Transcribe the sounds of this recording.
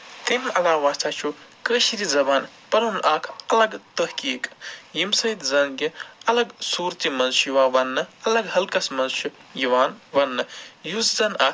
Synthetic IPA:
t̪ɐmɐlaːʋaːst͡sʰat͡ʃʰukəʃiɾizɐbaːn | pɐɾɐnʔaːkʰɐlɐɡt̪ɐhkiːkjimsɐjd̪zɐnɡiɐlɐɡsuːɾt̪imɐnʃjuʋaːʋɐnːɨɐlɐɡɦɐlkɐsmɐnt͡ʃʰujiʋaːnʋɐnːɨjuzzɐna

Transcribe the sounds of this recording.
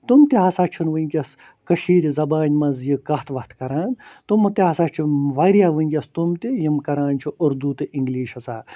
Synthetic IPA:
t̪umt̪iɦasaːt͡ʃʰunʋɨnʲkʲɐs | kɐʃiːɾʲizɐbaːnʲmɐzjɨkɐht̪ʰʋɐht̪ʰkɐɾaːnt̪umɐt̪iɐsat͡ʃʰuʋaːɾjaːʋɨŋʲkʲɐst̪umt̪ijimkɐɾaːnt͡ʃʰuʔʊɾd̪ut̪ɨʔiŋɡliːʃɐsaː

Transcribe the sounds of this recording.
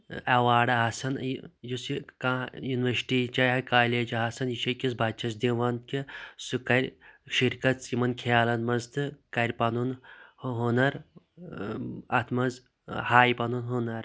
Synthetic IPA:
awaːɖɐɦɐsɐnjusikajunʋɐɾsi̥ʈit͡ʃɐjɐkaːleːd͡ʒɐɦɐsɐniʃɐkʲis̬bʱɐt͡ʃʰɐsd̪iʋɐnt̪kʲisukɐɾʲʃiɾkɐt̪simɐnkʰjaːlɐnmɐzt̪ʰɨkɐɾʲpɐnunɦonɐɾ | ɐt̪ʰmɐz | haːjpɐnunɦunɐɾ

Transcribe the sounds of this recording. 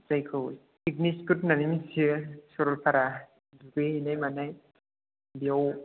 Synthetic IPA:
zajkʰɯwj | ikniskut̚nanimisisɔɾɔlpʰaɾa | duɡeɦinajmanaj | biaw

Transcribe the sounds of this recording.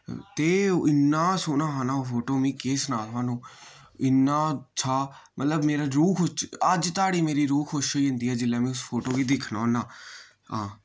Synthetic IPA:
t̪eːʔɪnːaːsʊːnãːɦaːnaːopʰoːʈoːmĩːkeːsnaːlaːnũː | ɪnːaːt͡ʃʰaːmət̪ləbmeːɾaːɾuːkʰʊt͡ʃəd͡ʒt̪aːɽiːmeːɾiːɾuːkʰoʃəiːə̃nd̪iːɦɛːd͡ʒɪlːɛːmẽːʊspʰoːʈoːʋiːd̪ɪkʰnaːnaː | ãː

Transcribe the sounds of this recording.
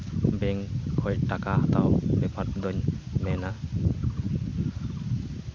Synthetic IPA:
bɛŋhʰɔjtakaat̪awbepʰat̪̚d̪ɔɲmɛna

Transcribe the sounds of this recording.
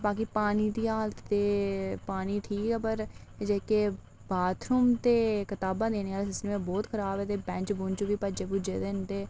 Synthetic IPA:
baːk̬iːpaːniːd̪iːɦaːlt̪ːeːpaːniːʈʰiːkɛːpəɾ | d͡ʒeːkeː | baːt̪ɾuːmt̪eːkɪt̪aːbãːd̪eːneːaːlesɪsneːmẽːbɔːt̪kʰəɾaːbɛːt̪eːbɛ̃ːt͡ʃbʊːnt͡ʃoʋiːpəd͡ʒeːpʊd͡ʒḛːd̪eːʊnd̪eː

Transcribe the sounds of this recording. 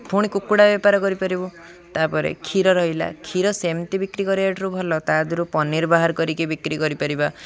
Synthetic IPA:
bʱuɽ̃ikukuɽabepaɾɔkɔɾipaɾibu | t̪apɔɾḛkʰiɾɔɾɔɦila̰kʰiɾɔsemt̪ibikɾikɔɾiaʈʰɔɾubʱɔlɔt̪ad̪ʱuɾupɔniɾbaɦaɾkɔɾikibikɾikɔɾipaɾiba

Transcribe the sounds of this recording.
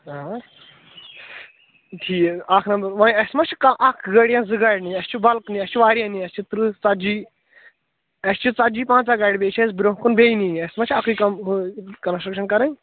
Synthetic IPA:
a | ʈʰiːakʰnɐmbɐɾʋɐ̃ɐsmɐt͡ʃʰkɐʔakʰɡɐɽjãnzɨɡaɽniɐst͡ʃʰubɐlkniɐst͡ʃʰuʋaːɾjãniɐst͡ʃʰit̪ɨɾɨt͡sɐd͡ʒiː | ɐst͡ʃʰut͡sɐd͡ʒiːpãːnt͡saɡaːɽʲbeːt͡ʃʰezbɾoɦkunbeːiniɐsmɐt͡ʃʰakʰikɐmkɐnsɾɐkʃɐnkɐɾɐ̃nʲ

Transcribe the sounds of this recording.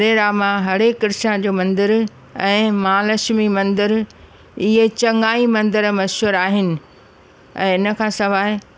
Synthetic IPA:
ɾeɾaːmãɦɐɽekɪɾʃãd͡ʑoːmɐ̃nd̪ɪɾ | ɛ̃ːmãːlɐʃmimɐ̃nd̪əɾ | ɪɦet͡ɕɐŋɡaːimɐ̃nd̪əɾmɐʃɦuːɾaːɦɪnɪ̆ | ɛ̰̃ːɪnə̆kʰãːsɐʋaːɦe

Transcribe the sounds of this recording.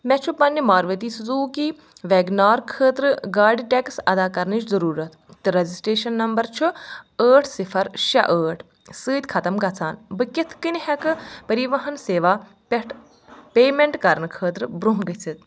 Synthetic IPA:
mɛt͡ʃʰupɐnʲːimaːɾʋɐt̪iːszuːkiː | ʋeɡnaːɾkʰəːt̪ɾɨɡaːɾɖiʈʲeksɐ̰d̪aːkɐɾnɨt͡ʃzɐɾuːɾɐt̪ʰ | t̪ɨɾɐzisʈɾeːʃɐnːɐmbɐɾt͡ʃʰuəːʈʰsifʰɐɾʃɐ̰ʔəːʈʰ | sɨːt̪ʲkʰɐt̪ɐmɡɐt͡sʰaːnbɨkit̪ʰkɨnʲhɐkɨpɐɾiʋɐɦɐnseːʋaː | peʈ | peːmeɳʈkɐɾnɨkʰəːt̪ɾɨbɾuɦɡɐsit̪

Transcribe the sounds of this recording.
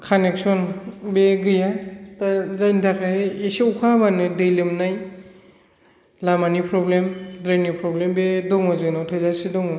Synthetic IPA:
kʰanek̚sɔnbeɡɯjatazajntʰakʰaheeseukʰabanɯdɯjlɯmnaj | lamanipʰɾɔblemdɾajnipʰɾɔblembedɔŋɔzɯnɔtʰɔjzasidɔŋɔ

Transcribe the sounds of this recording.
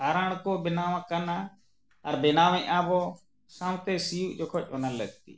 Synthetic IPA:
kaːɾəɳ̃koːbɪnaːʋãkəna | əɾbɪnaːʋẽʔaːboː | sãwt̪eːsiːuːʔd͡ʒoːkʰot͡ʃonəlləɡt̪ḭː

